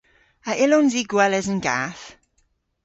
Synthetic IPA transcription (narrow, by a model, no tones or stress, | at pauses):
əʔɪlɔnziɡwɛləzənɡa̰θ